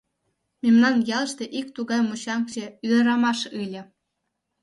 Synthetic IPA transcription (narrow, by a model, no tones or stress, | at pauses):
mʲemnɑnjɑlˠɤ̆ʃt̪ʲĕʔikt̪uɡɑjmuɕɑŋkt͡ɕĕylɤ̆ɾɑmɑʂɯlʲɘ̆